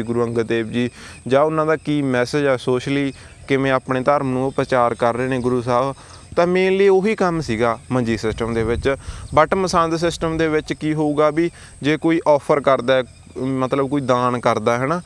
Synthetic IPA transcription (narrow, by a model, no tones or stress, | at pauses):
ɡʊɾuːəŋɡət̪ːeːbd͡ʒiːd͡ʒaːʊnãːd̪aːkiːmɛːsed͡ʒɦɛːsoːʃliː | kɪʋẽːaːpɽẽːt̪əɾmnũːpɾət͡ʃaːɾkəɾːeːnẽːɡʊɾuːs̬aːb | t̪ãːmẽːleːoːɦiːkəmsiːɡaːməd͡ʒiːsɪsʈəmd̪eːʋɪt͡ʃbəʈməsãːnd̪sɪsʈəmd̪eːʋɪt͡ʃkiːɦoːuːɡaːbiː | d͡ʒeːkoːiːʔɔːpʰəɾkəɾd̪aːɛ | mət̪ləbkoːiːd̪aːnkəɾd̪aːɦɛːnaː